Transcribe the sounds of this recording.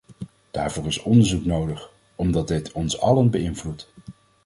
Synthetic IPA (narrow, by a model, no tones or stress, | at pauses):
d̥a̰ːɹvʊːɹɪsɔndəɹzuknowdəχ | ɔmdɑd̚dɪtʰɔnsɑ̰lənbəɪnvlut